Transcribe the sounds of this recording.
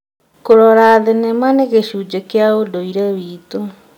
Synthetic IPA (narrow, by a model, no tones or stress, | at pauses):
koɾɔɾaðenemaneɣeɕud͡ʒekeaodoiɾaβito